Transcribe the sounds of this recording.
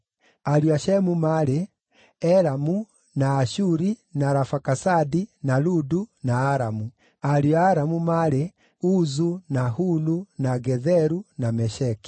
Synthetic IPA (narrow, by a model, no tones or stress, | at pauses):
aɾiaʃɛmumaɾe | ɛɾamu | naːʃuɾinaɾafakasadinaludunaːɾamu | aɾiaːɾamumaɾe | uzunahulunaɡɛðɛɾunamɛʃɛki̥